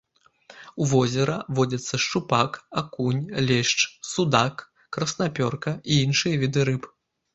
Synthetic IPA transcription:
uvɔzʲɛɾɐvɔd͡zʲɐt̪sːɐʂt͡ʂupakakunʲlʲɛʂt͡ʂsud̪akː | ɾɐsnapʲɔrkɐiinʂɨjɐvʲid̪ɨɾɨp

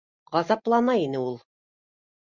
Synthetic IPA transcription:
ʁɑzɑplˠɑnɑinɘulˠ

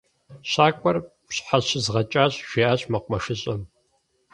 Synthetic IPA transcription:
ɕaːkʷʼɔrpɕħaɕɪzʁɐt͡ʃʼaːɕʼʒ̥ʷeːʔaːɕʼmɐqʷʊmɐʂɪɕʼɐm

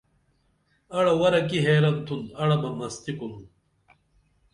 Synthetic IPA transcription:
ɐɽɐwɐɾɐkiɦeːɾɐnt̪ʰunɐɽɐmɐmɐst̪ikun

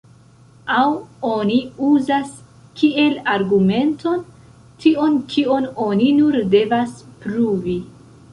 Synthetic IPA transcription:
awo̞niuzas | kie̞laɾɡume̞nto̞n | tʰio̞nkʰio̞no̞ninuɾde̞vaspɾuvi

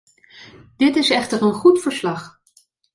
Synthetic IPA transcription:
d̥ɪtɪsɛχtəɹənχutfəɹslɑχ

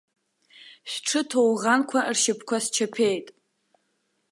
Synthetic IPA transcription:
ɕʷᶣʈ͡ʂʰɨtʰowʁankʷʰarʃɪpʰkʷʰast͡ʃʰapʰe̞jtʼ

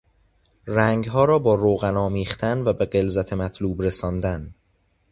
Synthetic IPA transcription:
ræŋɡɦɒːɾɒːbɒːɾoːɣænɒːmiːχt̪ʰænvæbeɢe̞lzæt̪ʰe̞mæt̪ʰluːbɾesɒːnd̪æn

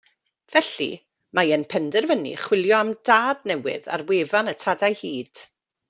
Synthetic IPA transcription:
v̥ɛɬḭ | majənpʰɛndɛrvənḭχwɪlˠjɔamdaːdnɛwɪ̰ða̰rweːvanətʰadajhiːd̥

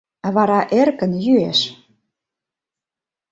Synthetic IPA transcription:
βɑɾɑʔerkə̆njyeʃ

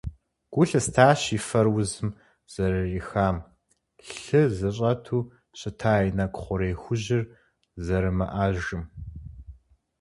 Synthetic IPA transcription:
ɡ̥ʷʊɬɐstʰaːɕifɐrwʊzɨm | z̥ɐrɨrixaːm | ɬɨzɨɕʼɐtʰuː | ɕɪtʰaːjnɐkʷʼχʷʊɾeːjxʷʊʑɪr | zɐɾɨmɐʔaːʒɨm

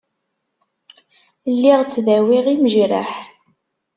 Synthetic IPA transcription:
lːiʁt͡sːðæwiʁiməʒɾa̰ħ

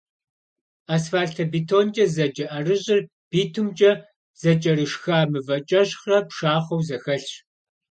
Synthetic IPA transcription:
aːsfaːɮtʰɐbiːtʰoːnt͡ʃʼɐzɐt͡ʃʼɐʔɐrɨʑʼɪr | b̥iːtʰɨmt͡ʃʼɐ | z̥ɐt͡ʃʼɐɾɨʂxaːmɨvɐt͡ʃʼɐɕχɐpʂaːχɐwzɐxɐɬɕ

